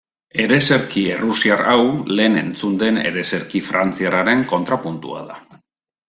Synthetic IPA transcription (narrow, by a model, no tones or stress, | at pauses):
e̞ɾe̞se̞ɾkierusiarawle̞ːne̞̰nt͡sund̪e̞ne̞̰ɾe̞se̞ɾkifɾant͡siaraɾe̞ŋko̞nt̪ɾapunt̪ṵa̰ða